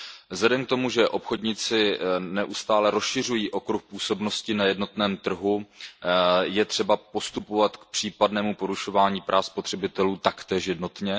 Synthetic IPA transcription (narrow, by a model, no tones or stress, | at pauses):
zlɛdɛmk̚t̪o̞muʒɛʔo̞pxo̞dɲɪt͡sɪnɛʔust̪aːlɛɾosʃɪr̝ujiːʔo̞kɾuxpuːso̞bno̞scɪnajɛdno̞t̪nɛːmt̪r̩ɦu | jɛt̪r̝̥ɛbapo̞st̪upo̞vat̪kpr̝̥iːpadnɛːmupo̞ɾuʃo̞vaːɲiːpɾʔaːfspot̪r̥ɛbɪt̪ɛluːt̪akt̪ɛːʃjɛdno̞t̪ɲɛ